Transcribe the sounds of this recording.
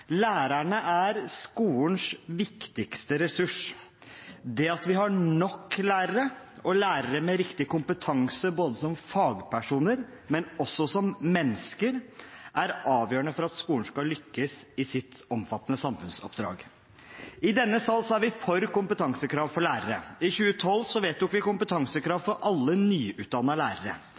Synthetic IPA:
læːɾæɳəʔæɾskuːln̩sʋɪkt̪ɪkst̪əɾɛsʉʂ | d̪ɛɑt̪ʋɪɦɑɳɔkːlæːɾəɾə | ɔlæːɾəɾəmɛɾɪkt̪ɪkʊmpət̪ʰɑŋsəboːd̪əsɔmfɑːɡpʰæʂuːnəɾ | mɛnɔsːɔsɔmmɛnːskəɾʔæɾɑːʋjøːɾəɳəfɔɾɑt̪skuːɳ̩skɑlʏkːəsɪsɪt̪ɔmfɑt̪ːənəsɑmfʉnsɔ̰pd̪ɾɑ̰ːɡ | ɪd̪ɛnːəsɑlːsɔæɾʋɪfɔɾkʊmpət̪ʰɑŋsəkʰɾɑːʋfɔɭæːɾəɾəɪçʉːət̪ʰɔlːsɔʋeːt̪d̪ʊɔkːʋɪkʊmpət̪ʰɑŋsəkʰɾɑːʋfɔɾʔɑlːənyːʔʉːt̪̚d̪ɑnːɑlæːɾəɾə̰

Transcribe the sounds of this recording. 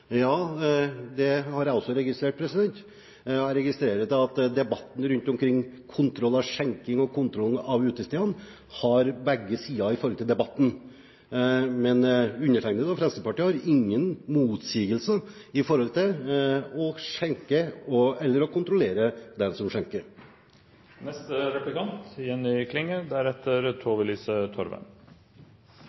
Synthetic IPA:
jɑː | d̪ɛhɑɾɔlsɔɾɛɡɪst̪ɾeːʈ̚pʰɾɛsɪd̪ɛnt̪ | æɾɛɡɪst̪ɾeːɾət̪ɑt̪d̪ɛbɑt̪ːn̩ɾʉnt̪ɔmkʰɾɪŋːkʰʊnt̪ʰɾɔlːɑʋʂɛŋkɪŋɔkʰʊnt̪ʰɾɔlɑʋʉːt̪əst̪eːən | hɑɾbɛɡːəsiːɑɪfɔɾhɔlt̪ɪld̪ɛbɑt̪ːn̩ | mɛnʉnːəʈʰæɪŋnəd̪ɔfɾɛnsəpɑʈiːəhɑɾɪŋːənmuːt̪siːɡəlsə | ɪfɔɾhɔlt̪ʰɪ | ɔʂɛŋkəɔɛlːəɾɔkʰʊnt̪ɾʊleːɾəd̪ɛnsɔmʂɛŋkəɾ | nɛst̪əɾɛplɪkɑnt̪jɛnːɪkʰlɪŋːəd̪æɾɛt̪ʰːəɾt̪ʰoːʋəɭiːsət̪ʰɔɾʋə̰n

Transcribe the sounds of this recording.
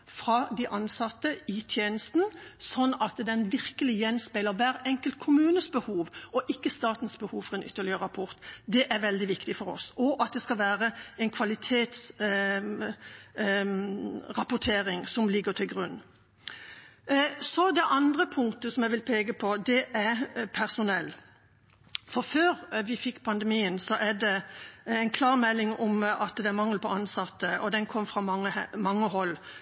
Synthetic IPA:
fɾɑd̪ɪʔɑnsɑt̪ːəɪt̪ʰjeːnəst̪n̩sɔnːɑt̪d̪ɛnʋɪɾkəlɪjɛnːspælːəʋæːɾɛŋkəlt̪kʰʊmʉːnəsbəhuːʋɔʔɪkːəst̪ɑːt̪nsbəhuːʋfɔʁɾɛnʏt̪ːəɭɪəɾɑpʰɔɾt̪d̪ɛʔæɾʋɛld̪ɪʋɪkt̪ɪfɔɾɔ̰sɔʔɑt̪̚d̪ɛskɑʋæːʁəɛnkʰʋɑlɪt̪ʰeːt̪s | ʁɑpʊʈʰeːɾɪŋsɔmlɪɡət̪ʰɪlɡʁʉnː | sɔd̪ɛʔɑnd̪ʁəpʰʊŋt̪əsɔmɛʋɪlpʰeːɡəpʰɔd̪ɛʔæɾpʰæʁsʊnɛlː | fɔɾføːɾʋɪfɪkːpʰɑnd̪ɛmiːənsɔʔæɖɛɛɪnkʰlɑːʁmɛlːɪŋɔmɑt̪d̪ɛæɾmɑŋːl̩pʰɔɑnsɑt̪ːəʔɔd̪ɛnkʰɔmːfʁɑmɑŋəmɑŋːəɦɔlː

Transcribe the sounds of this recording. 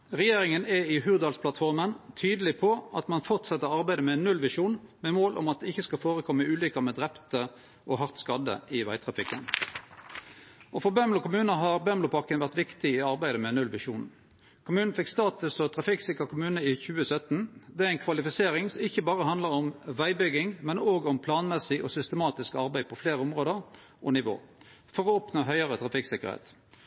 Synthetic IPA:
ʁɛjeːʁɪŋənɛɪɦʉːʁd̪ɑːlspʰlɑt̪fɔʁmənt̪ʰyːd̪əlɪpʰɔɑt̪mɑnfɔʁt̪sɛt̪ːəʁɑʁbæɪd̪əmɛnːʉlʋɪʂuːnmɛmoːlʔɔ̰mɑt̪̚d̪ɛɪçːəskɑlfoːʁəkʰɔmːəʉːlikəmɛːd̪ʁɛpt̪ə | ʔɔɦɑʁt̪skɑd̪ə̰ɪʋæ̰ɪt̪ʰʁɑfɪkːə̰n | ʔɔfɔʁbɛmlʊkʊmʉːnəɦɑʁbœmlʊpʰɑʁkənʋæʁt̪ʋɪkt̪ɪɪɑɾbæɪd̪əmɛnʉlʋɪʂṵːn | kʰʊmʉːnn̩fɪkst̪ɑːt̪ʉsɔt̪ʰʁɑfɪksɪkəʁkʰʊmʉːnəɪçʉːəsœt̪nd̪ɛæɛɪnkʰʋɑlɪfɪseːʁɪŋsɔmɪçəbɑːʁəhɑnd̪ləʁɔmʋæɪbʏɡɪŋmɛnoːɡɔmpʰlɑːnmɛsɪʔɔ̰sʏst̪əmɑːt̪ɪskɑʁbæɪd̪̚pʰɔfleːʁəɔmʁoːd̪əʁ | ʔɔnɪʋo̰ː | fɔʁɔɔpnoːɦœʏəʁət̪ʰʁɑfɪksɪkəʁhḛːt̪

